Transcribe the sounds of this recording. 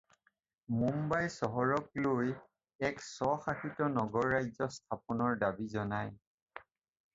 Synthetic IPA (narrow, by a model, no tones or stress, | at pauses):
mumbajsɔɦɔɹɔk̚loj | ɛksɔxaxitɔnɔɡɔɹːajzɔstʰapɔnɔɹdabizɔnaj